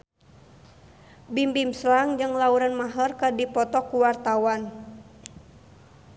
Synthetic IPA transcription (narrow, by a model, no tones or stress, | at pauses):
bimbimslaŋd͡ʒɨŋlauɾanmaɦərkadipɔt̪ɔkːuwart̪awan